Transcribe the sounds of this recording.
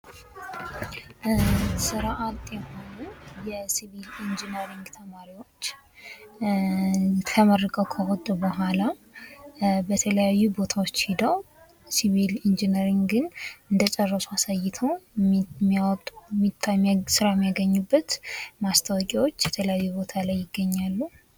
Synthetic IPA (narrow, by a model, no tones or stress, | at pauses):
sɨɾʔat̪ʼjɛho̞nujɛsiβilind͡ʒinəɾiŋɡt̪ʰəmaɾiwo̞t͡ʃː | kʰəmərːəkʼəwkʰəwɔt̪ʼːubəɦala | bət̪ʰələjajːubo̞t̪ʰawot͡ʃːhid̪əw | siβilind͡ʒinəɾiŋɡɡɨnɨnd̪ət͡ʃʼɛrːəsuasajːɪt̪ʰəwmːawɔt̪ʼːumːit̪ʰːasɨɾajɛmːijaɡəɲːubːət̪mast̪ʰəwɔkʼiwo̞t͡ʃːjɛt̪ʰələjajːubo̞t̪ʰalajːɪɡːəɲːalːu